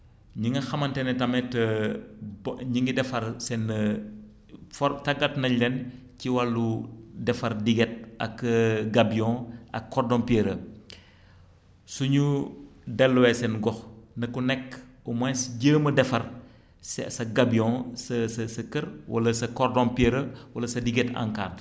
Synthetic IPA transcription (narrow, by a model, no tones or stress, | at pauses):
ɲiŋɡɐxɐmɐntɛnɛtɐmɛtɐ | bɲiŋɡidɛfɐɾsɛnːɐ | fɔtɐɡɐt̚nɐlɛn | ciwɐlːudɛfɐrdiɡɛt̚ɐ̰kːɡabiɔ̃ʔɐkːɔrdɔmpɛɾə | suɲudɛlːwɛsɛnɡɔxnɐkunɛkːumɐnsɟəːmɐdɛfɐr | ssɐɡɐbiɔ̃sɐsɐsɐkərwʔɐ̰lɐsɐkɔrdɔ̃mpɛɾəwɐlɐsɐdiɡɛtɐ̰ŋkaːt